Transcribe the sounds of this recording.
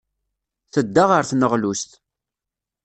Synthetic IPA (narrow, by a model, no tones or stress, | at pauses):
θəd̪ːaʁəɾθnəʁlust̪